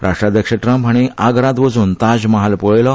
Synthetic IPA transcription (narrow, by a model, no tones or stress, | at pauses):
ɾʔaʂʈɾad̪jəkʂeʈɾə̃mpɦaɽ̃iʔaɡɾãd̪ʋəd͡zunt̪ad͡ʑmaɦalpɔɭlɔ